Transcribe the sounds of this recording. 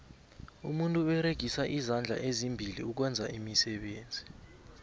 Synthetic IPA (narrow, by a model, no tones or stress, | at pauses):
umuntʼuwɛɾeɡ̥ʱisaʔizand͡ɮʱa̰ʔezimbʱilḭuk̬wɛnd͡zʱaimisɛɓeːnd͡zʱi